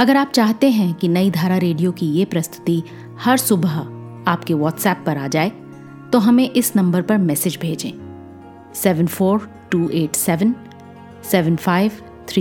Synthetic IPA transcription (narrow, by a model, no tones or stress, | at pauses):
ɐɡəɾaːp̚t͡ʃaːɦt̪eɦɛ̃kinɐid̪ʱaːɾaɾeːɖijokijepɾɐst̪ʰʊ̥t̪i | hɐɾsʊbəɦ | aːpkeʋɔːʈsɛːpːɐɾaːd͡ʒaːe | t̪oɦɐmẽʔɪsnɐ̃mbəɾpɐɾmɛːsɪd͡ʒbʱeːd͡ʒḛ̃ː | sɛːʋə̃nfoːɾ | ʈuːʔeːʈsɛːʋən | sɛːʋənfaːɪʋ | t̪ʰɾiː